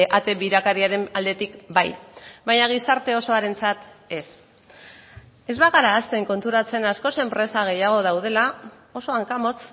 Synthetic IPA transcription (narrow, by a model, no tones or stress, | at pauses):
ʔat̪e̞βiɾakaɾiaɾe̞nald̪e̞t̪ikbajbaɲaɣ̞isaɾt̪e̞o̞so̞aɾe̞nt͡sat̪e̞s | e̞zβaɣaɾaːst̪e̞ŋko̞nt̪uɾat͡se̞nasko̞se̞mpɾe̞saɣ̞e̞jaɣ̞o̞ð̞awð̞e̞la | o̞so̞aŋkamo̞t͡s